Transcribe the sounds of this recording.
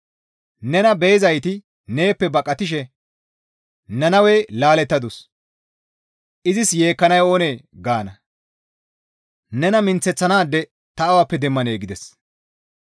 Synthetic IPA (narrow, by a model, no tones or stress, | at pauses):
nɛnɐbejːzɐjt̪ɪ | ne̞ːpːɛbɐkʼːɐt̪ɪʃ̬ɛ | nɐnɐwelaːlɛt̪ːɐd̪ʊs | ʔɪzɪsje̞ːkːɐnɐjo̞ːne̞ːɡaːnɐ | nɛnɐmɪnt͡sːɛt͡sːɐnaːd̪ːɛ | t̪ɐːwapːɛd̪ɛmːɐneːɡɪd̪ɛs